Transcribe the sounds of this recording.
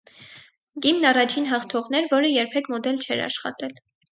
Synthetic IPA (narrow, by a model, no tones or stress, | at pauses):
ɡimnɑrɑt͡ʃʰinɦɑχt̪ʰɔʁn̪ɛɾvɔɾəjɛɾpʰɛkʰmɔd̪ɛlt͡ʃʰɛɾɑ̰ʃχɑ̰t̪ɛl